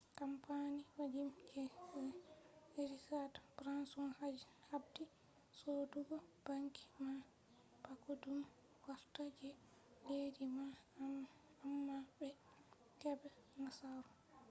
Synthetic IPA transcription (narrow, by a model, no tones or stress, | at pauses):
kampaniwad͡ʒimkʰɛ | eɾikadpɾansnhad͡ʒhabdi | soduɡɔb̥aŋki̥ma | pakudum | waɾtad͡ʒɛ | ledima | amːabɛ | kɛbɛnasaɾu